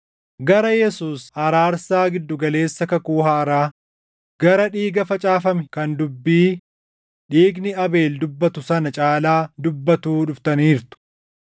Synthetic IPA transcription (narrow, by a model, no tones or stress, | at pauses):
ɡɐɾɐjɛsuːshɐɾaːɾsaːɡɪd̪ːʊɡɐle̞ːsːɐkɐkuːhaːɪɾaː | ɡ̥ɐɾɐᶑiːɡɐfɐt͡ʃʼaːfɐmɛkɐnd̪ʊbːiː | ᶑiːɡnɪɐbe̞ːld̪ʊbːɐt̪ʊsɐnɐt͡ʃʼaːlaːd̪ʊbːɐt̪uːᶑʊft̪ɐniːɾt̪ʊ̥